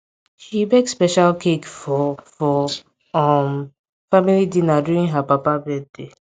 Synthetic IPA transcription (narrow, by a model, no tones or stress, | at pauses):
ʃibekspɛʃalkʰekfɔfɔ | ɔm | familidĩnaduĩnɦapapabɛd̚de